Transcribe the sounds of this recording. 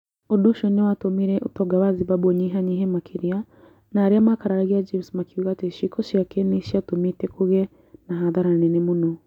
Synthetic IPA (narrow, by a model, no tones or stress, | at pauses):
odoʃɔnewatomiɾɛʔotɔɡaβaziβaβoɲiɦaɲiɦɛmakʰiɾia | naːɾiamakaɾaɾaɣiad͡ʒemsmakiuɣateʃikʰoʃiakɛniʃiatomitɛkuɣɛ | naɦaðaɾanenemonɔ